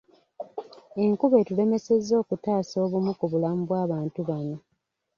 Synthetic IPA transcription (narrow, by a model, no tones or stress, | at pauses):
e̞ŋkuβe̞tule̞me̞se̞zːo̞ːkutaːso̞ːβumukuβulamubwaːβaːntuβano̞